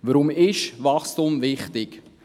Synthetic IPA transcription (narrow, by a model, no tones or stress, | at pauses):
ʋəɾʊmɪʃvɑχstumvɪχtɪk